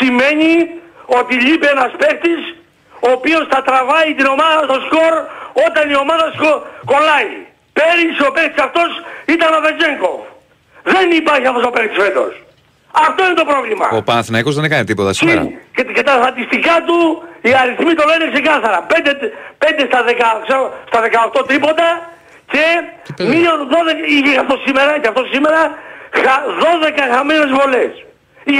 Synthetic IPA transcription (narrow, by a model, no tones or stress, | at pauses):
sime̞ɲio̞t̪iʎipeenɐspe̞xt̪is | oːpio̞sθɐt̪ɾɐvɐit̪ino̞mɐðɐst̪o̞sko̞ɾo̞t̪ɐnio̞mɐðɐskoko̞lɐi | peɾisio̞pekt̪isɐft̪o̞sit̪ɐnoved͡ʒeŋko̞̰v | ðenipɐɾçiɐft̪ost̪opext̪isfet̪o̞̰s | ɐft̪o̞inet̪o̞pɾo̞vlimɐ̰opɐnɐθinɐjkozðenekɐnit̪ipot̪ɐsecet̪ɐst̪ɐt̪ist̪ikɐt̪uiɐɾiθmit̪o̞leinekse̞kɐθɐɾɐpe̞nd̪et̪pe̞nd̪est̪ɐðekɐkseɾst̪ɐðe̞kɐoxt̪o̞t̪ipo̞t̪ɐ | ce̞ | mioðo̞ðekiʝeaft̪ossimeɾɐceɐft̪o̞ssime̞ɾɐxaðo̞ðe̞kɐxɐmenezvo̞les | i